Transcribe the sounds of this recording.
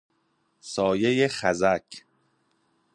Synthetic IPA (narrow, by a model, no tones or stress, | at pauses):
sɒːje̞jeχæzæcʰ